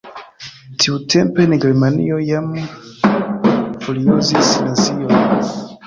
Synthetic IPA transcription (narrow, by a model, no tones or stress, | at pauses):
tʰiutʰempe̞nɡeɾmanḭojam | foliuzisnazion